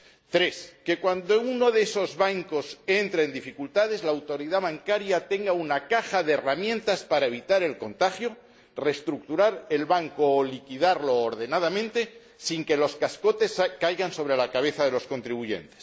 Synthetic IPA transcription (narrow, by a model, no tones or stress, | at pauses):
t̪ɾe̞ske̞kwand̪ouno̞ðeeso̞zβaŋko̞se̞nt̪ɾaeːnd̪ifikult̪aðe̞zlaːwt̪o̞ɾiðaβaŋkaɾjat̪e̞ŋɡaunakaxaðeːramjẽ̞nt̪aspaɾae̞β̞it̪aɾe̞lko̞nt̪axjo̞ | re̞st̪ɾuk̚t̪uɾaɾe̞lβaŋkoːlikiðaɾloːɾðe̞nað̞amẽnt̪e̞ | siŋke̞lo̞skasko̞t̪e̞skajɣanso̞β̞ɾe̞lakaβ̞e̞θað̞e̞lo̞sko̞nt̪ɾiβ̞uʝe̞̰nt̪es